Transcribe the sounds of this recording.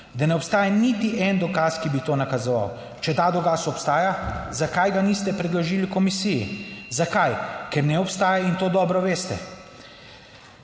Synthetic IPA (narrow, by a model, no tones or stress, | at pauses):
d̪anɛɔpst̪aːjanit̪iʔɛnd̪ɔkaːskibit̪oːnakazɔʋa̰w | t͡ʃɛt̪aːd̪ɔkaːsɔpst̪aːjazakajɡanist̪ɛpɾɛd̪lɔʒiːlikɔmisijḭzakajkɛɾnɛɔpst̪aːjaint̪oːd̪ɔːbɾɔʋeːst̪ɛ̰